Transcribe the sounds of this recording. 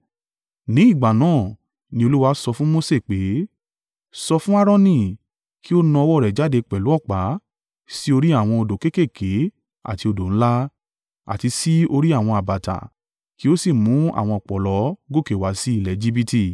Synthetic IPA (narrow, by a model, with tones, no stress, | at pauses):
nĩ˨˦i˦˨ɡ͡ba˨nãː˦˨ | nĩ˧o˧lu˦wa˧˦sɔ˧fũ˦mo˦se˦˨k͡pe˨˦ | sɔ˧fũ˦a˦ɾɔ̃˦nĩ˦˨ | ki˦o˦nã˧wɔ˦˨ɾɛ˨d͡ʒa˨˦de˧k͡pɛ˨lu˨˦ɔ˦˨k͡pa˨˦ | si˦o˧ɾi˦a˦˨w̃ɔ̃˧o˧do˨ke˦ke˦˨kʰe˨˦ | a̰˦˨ti˧o˧do˨ñ̩˦la˦ | a̰˨ti˧si˦o˧ɾi˦a˦˨w̃ɔ̃˧a˨ba˨ta̰˨ | ki˦o˦si˦˨mũ˨˦a̰˨w̃ɔ̃˧ɔ˨k͡pɔ˨lɔ˨˦ɡo˦˨ke˨wa˨˦si˦i˦˨lɛ˨d͡ʒi˦bi˦ti˦˨